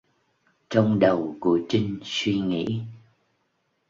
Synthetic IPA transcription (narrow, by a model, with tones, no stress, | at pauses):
t͡ɕɔ˧wŋ͡mɗə˨˩wku˧˩ət͡ɕï˧ŋ̟swi˧ŋḭ˧˥